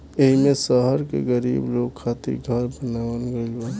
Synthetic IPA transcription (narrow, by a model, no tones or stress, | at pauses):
eɦimẽsəɦəɾkḛɡəɾḭːbloːɡkʰaːt̪ḭɾɡʱəɾbənaʋənɡəbaː